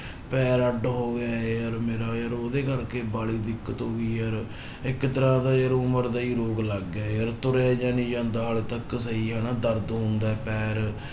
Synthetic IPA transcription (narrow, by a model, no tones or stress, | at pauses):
pɛːɾəɖɦoːɡaːeəɾmeːɾaːjəɾoːd̪eːkəɾkeːbaːliːd̪ɪkːət̪ɦoːɡiːəɾ | ɪkt̪əɾãːd̪aːjəɾʊməɾd̪aːiːɾoːɡləɡɛːjəɾt̪ʊɾeːd͡ʒãːnĩːd͡ʒãːnd̪aːɦaːlt̪əkːsəɦiːɦənaːd̪əɾd̪ɦʊ̃nd̪aːɛːpɛːɾ